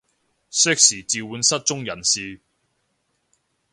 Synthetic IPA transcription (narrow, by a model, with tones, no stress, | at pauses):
sɛː˥k̚siː˨˩t͡siː˨wuː˨˥nsɐ˥t̚t͡sʊ˥ŋjɐ˨˩nsiː˧